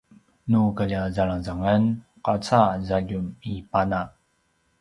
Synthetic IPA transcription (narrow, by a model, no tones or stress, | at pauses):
nukaʎazaɭaŋzaŋan | qat͡sazaɟumipana